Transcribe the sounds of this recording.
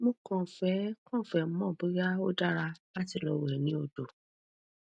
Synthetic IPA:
mõ˦kɔ̃˦˨fɛ˦kɔ̃˦˨fɛ˨˦m̩˦mɔ̃˦˨bi˨˦ɡa˦o˦da˦ɾa˧a˦˨ti˧lɔ˧wɛ˨nĩ˦o˧do˨

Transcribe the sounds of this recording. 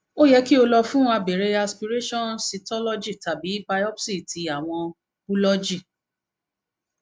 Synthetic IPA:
o˦jɛ˧ki˦o˧lɔ˧fũ˦ã˧be˨ɾe˨˦a˧spi˧ɾe˦ʃɔ̃˦˨nsi˧tɔ˦lɔ˦d͡ʒi˦˨ta˨bi˨˦ba˧jɔ˦psi˦˨tʰi˨˧a˦˨w̃ɔ̃˧ | bu˦lɔ˦d͡ʒi˦˨

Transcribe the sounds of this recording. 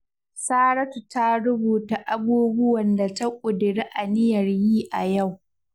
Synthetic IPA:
saː˦ɽɐ˦tu˨ta˦ɽʊ˦buː˨ta˨ʔa˦buː˦bʊ˦wɐ˨nda˨ta˦kʷʼʊ˨dɪ˨ɽi˦ʔa˨nɪ˦jɐ˨rjiː˦ʔa˨ja˦˨w

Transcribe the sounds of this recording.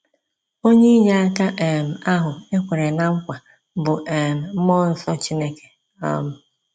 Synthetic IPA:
o˦ɲe˦i˦ɲa˦a˦ka˦ʔe˨m̩˨a˦ɦʊ˨e˦kʷe˨ɾe˨na˦ŋ̩˦kʷa˨ | bʊ˨ʔe˨m̩˨m̩˦mɔ˦n̩˨sɔ˦t͡ʃi˦ne˦ke̥˨ | a̰˦mʊ˨

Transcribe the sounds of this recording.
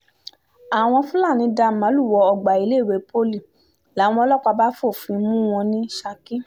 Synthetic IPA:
a˨w̃ɔ̃˧fũ˦la˦˨nĩ˨˧˦da˧˨mã˨˦lu˦˨wɔ˧ɔ˧ɡ͡ba˨i˨˧˦le˦˨we˨˦pʰo˦li˦˨ | la˨˦w̃ɔ̃˧ɔ˧lɔ˦k͡pa˧ba˦fo˦˨fĩ˧˦mũ˦w̃ɔ̃˧nĩ˦ʃa˧kĩ˦

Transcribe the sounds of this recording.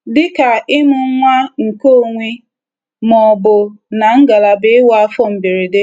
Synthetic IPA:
dɪ˦ka˨ɪ˦mʊ˨˦ŋʷa˦ŋ̩˨ko˦˨ŋʷi˦ | mɔ˨bʊ˨na˨ŋ̩˦ɡa˨la˨bɪ˦ɪ˦wa˦fɔ˦m̩˨bi˨ɾi˨de˦

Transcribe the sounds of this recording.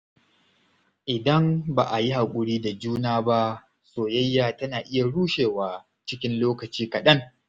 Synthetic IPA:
ʔɪ˨dɐ˦mbaː˨ʔa˨ji˦ɦa˨kʷʼʊ˦˨ɽiː˦da˨d͡ʒuː˦naː˦ba˦ | soː˨jɐ˦jːaː˨tɐ˦naː˨ʔɪ˦ja˨ɽuː˦ʃeː˨waː˨ | t͡ʃɪ˦kʲɪ˦nloː˦kɐ˨t͡ʃiː˦kɐ˨ɗɐ˦ŋ

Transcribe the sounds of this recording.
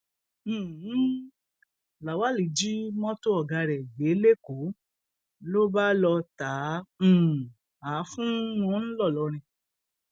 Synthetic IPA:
la˨wa˨˦li˨d͡ʒi˦mɔ̃˦to˦ɔ˦˨ɡa˧ɾɛ˨je˨˦le˦ko˨˦ | lo˦ba˦lɔ˧tã˨˦˨ | a˨˦fũ˦nũ˦n̩˦lɔ˦˨lɔ˨˧˦ɾ̃ĩ˧

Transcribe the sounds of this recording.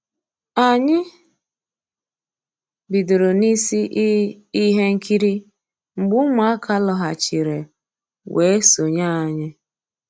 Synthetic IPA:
a˨ɲɪ˦ | bi˨do˨ɾo˨ni˦si˦ʔ | i˦ɦe˦ŋ̩˦ki˦ɾi˦ | ŋ͡m̩˨ɡ͡bʊ˦ma˨a˦kʰa˦lɔ˨ɦa˨t͡ʃi˨ɾe˨ | we˨˦e˦so˨ɲa˦˨ɲɪ˦

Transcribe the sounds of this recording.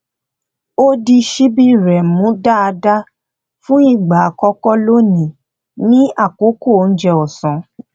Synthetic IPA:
o˦di˧ʃi˦bi˦ɾɛ˨mũ˨˦da˦a˧da˦ | fũ˦i˦˨ɡ͡ba˨kɔ˧kɔ˦lo˦nĩ˨ | nĩ˦a˦˨ko˨˦ko˦˨˦n̩˦d͡ʒɛ˧ɔ˨sɔ̃˨˦

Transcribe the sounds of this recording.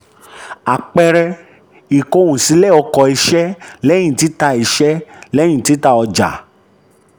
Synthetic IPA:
a˨k͡pɛ˧ɾɛ˧ | i˨ko˧wũ˨si˨˦lɛ˦˨ɔ˧kɔ˨˧˨i˧ʃɛ˦lɛ̃˦ĩ˨ti˨˦ta˧i˨˧ʃɛ˦lɛ̃˦ĩ˦˨ti˨˦ta˧ɔ˧d͡ʒa̰˨

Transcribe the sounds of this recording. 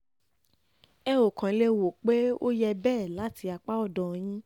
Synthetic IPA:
ɛ˧o˨kã˨˦le˧wo˨k͡pe˦o˦jɛ˧bɛː˦˨la˨˦ti˧a˧k͡pa˦ɔ˦˨dɔ˨j̃ĩ˦

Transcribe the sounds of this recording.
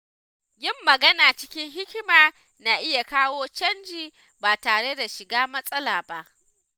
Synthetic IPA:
jɪ˦mːɐ˨ɡɐ˦naː˨t͡ʃɪ˦kʲɪ˦ŋɦɪ˦kʲmaː˨ | na˨ʔɪ˦ja˨kaː˦woː˦t͡ʃɐ˦nd͡ʒiː˨ | baː˨taː˨ɽe˦da˨ʃɪ˨ɡaː˦mɐ˦sʼɐ˦laː˨ba˦ʔ

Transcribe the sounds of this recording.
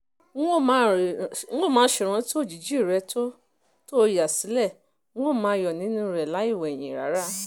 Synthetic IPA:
o˦˨mã˨˦˨o˦˨mãː˨˧˦ʃe˨ɾ̃ã˧˦ti˦o˦˨d͡ʒi˨d͡ʒi˦˨ɾɛ˧˦to˦ | to˦˧ja˨si˨˦lɛ̃˦˨˦ | o˦˨mãː˧jɔ˨nĩ˨˦nũ˦˧ɾɛ˨la˨˦i˦˨wɛ˨j̃ĩ˨ɾa̰˨˦ɾa˦

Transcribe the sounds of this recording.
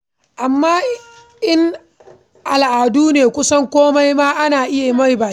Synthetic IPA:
ʔa˨mːaː˦ | ʔɪ˦ŋ | ʔa˨lʔaː˨duː˦neː˨kʷʊ˦sɐ˦ŋkʷoː˦ma˦jmaː˦ʔa˦naː˨ʔɪ˦ja˨ma˦˨jbaː˨˦

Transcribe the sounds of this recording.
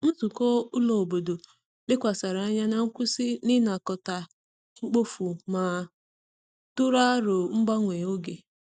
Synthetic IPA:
n̩˦zu˨kɔ˦ʊ˦lo˨o˨bo˨do˨ | lɪ˦kʷa˨sa˨ɾa˨a˦ɲa˦na˨ŋ̩˦kʷʊ˦sɪ˦nɪ˦na˨kɔ˨ta˨ | ŋ͡m̩˦k͡po˦fu˨maː˨ | tʊ˦ɾa˦ɾʊ˨ŋ͡m̩˦ɡ͡ba˦ŋʷe˨o˦ɡe˨

